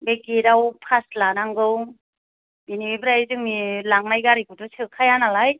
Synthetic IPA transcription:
beɡiɾawpʰaslanaŋɡɯw | binibɾajzɯŋmilaŋnajɡaɾikʰɯtusɯkʰajanalaj

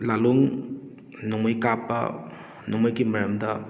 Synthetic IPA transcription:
laluŋ | nomojkapːɐ̰ | nomojɡimɐɾɐmdɐ

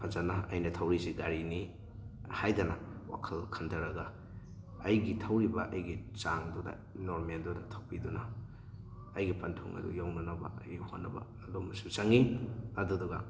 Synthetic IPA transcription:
pʰazanaɐ̰jnɐtʰawɾiziɡaɾini | hajdɐnɐwa̰kʰɐlkʰɐndʰɐɾɐɡɐː | jɡitʰɐwɾibɐʔɐjɡit͡ʃaŋdudɐ̰ | noɾmeldudɐtʰawpidunɐː | jɡipantʰo̰ŋʔɐ̰dṵjawnɐnɐbɐ̰ɐjɡihonːɐbɐ̰ | lomɐsut͡ʃaŋiɐduduɡa

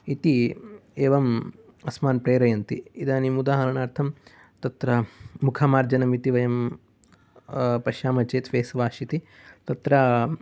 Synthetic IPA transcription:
it̪ieːʋɐm | ɐsmaːnpɾeːɾɐjɐnt̪iid̪aːnimud̪aːɦɐɾɐɳaːɾt̪ʰɐm | t̪ɐt̪ɾɐːukʰaːmaːɾd͡ʒɐnɐmit̪iʋɐjɐm | pɐʃjaːmɐt͡ʃeːt̪ʋeːsʋaːʃit̪i | t̪ɐt̪ɾɐ

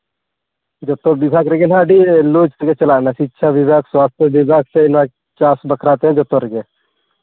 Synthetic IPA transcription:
d͡ʒot̪õʋɪbʱaːkɾeɡenãːɖieloːd͡ʒkəɡet͡ʃəlaːnasiːtːʃʰaʋɪbʱaːkswaːst̪ʰjeʋɪbʱaːksenã | t͡ʃaːsbəkʰɾaːt̪eɦɛ̃d͡ʒot̪õɾeɡe

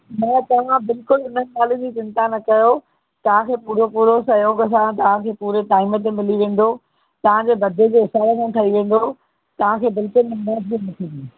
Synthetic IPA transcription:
mɛ̃ːt̪ɐʋ̤ãbɪlkʊlʊnənaːlũd͡ʑit͡ɕɪ̃nt̪anɐkɐjo | t̪ɐʋ̤ãkʰeːpuːɾopuːɾosɐjoːɡɐs̬ãt̪ɐʋ̤ãkʰeːpuːɾeʈaːɪmət̪̬emɪliʋẽːn̆d̪o | t̪ɐʋ̤ãɲd͡ʑeːbɐd̪ʱed͡ʑeːɦɪsaːɾekʰãːʈʰɐiʋẽːn̆d̪o | t̪ɐʋ̤ãkʰeːbɪlkʊlnmɛːtbinɐt̪ʰĩːnĩː

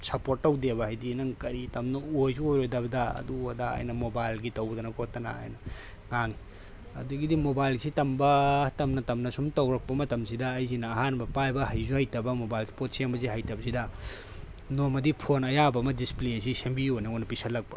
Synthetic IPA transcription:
sɐpoɾtːɐwdebɐhɐjdinɐŋkɐɾitɐmnɐojzuojɾojdɐbɐdɐɐ̰duɐdɐa̰jnɐmobajlɡitɐwd̪ɐnɐkʰotːɐna̰a̰jnɐ | ŋaŋi | ɐ̰duɡidimobajlsitɐmbɐtɐmnɐtɐmnɐsumtɐwɾɐk̚pɐmɐtɐmsidɐːjzinɐːɦanbɐpajbɐɦɐjzuhajtɐbɐmobajlspot̚sembɐziɦajtɐbɐsidɐ | nomɐdipʰonɐjabɐːmɐdisplesisembiojnɐojnɐpisɐlːɐk̚pɐ̰

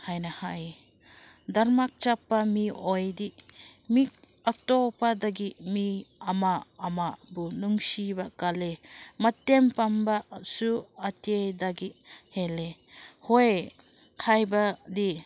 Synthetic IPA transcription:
hajnahaj | daɾmak̚t͡ʃapːamiojdiʔmi | atopadaɡiʔmiɐmaːmabunuŋsibakalemɐtːempambasuɐtedaɡihele | hoj | kʰajbadi

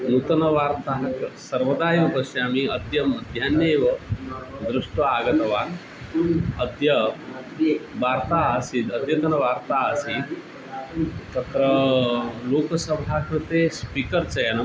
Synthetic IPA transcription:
nut̪ənɐʋaɾt̪aɦɐksɐɾʋəd̪aːjʋbəsiamiəd̪ʱjɐmɐd̪ʱjanjeʋə | d̪ɾuʂʈʋɐaɡɐt̪ɐʋan | əd̪ʱjɐ | ʋaɾt̪aəsiːt̪əd̪ʱjɐt̪ɐnɐʋaɾt̪aəsi | t̪ɐt̪ɾə | lokəsəbʱakɐɾt̪espikəɾt͡sɐjan

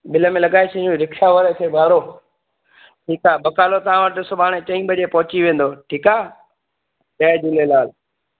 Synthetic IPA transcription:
bɪləmẽlɐɠaːesʰĩũɾɪkʰaːʋəɾet̪ʰeːbʱaːɾoː | ʈʰiːkaːbɐkaːlot̪ɐʋãʋəʈɪsʊbʱaːɽ̃ẽt͡ɕɐĩbəʄepɐɦʊt͡ɕiʋẽːn̆d̪oːʈʰiːkaː | d͡ʒaːed͡ʑɪlelaːl

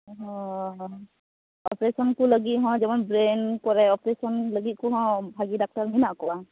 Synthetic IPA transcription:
ɦɔ̃ | ɔpɾesɔnkuləɡit̪̚ɦɔ̃d͡ʒɔmanbɾenkɔɾɛɔpɾesɔnləɡit̪̚kuɦɔ̃bʱaɡidak̚ʈaɾminakɔa

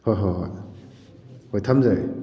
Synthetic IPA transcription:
hojɦojɦoj | hojtʰamzaj

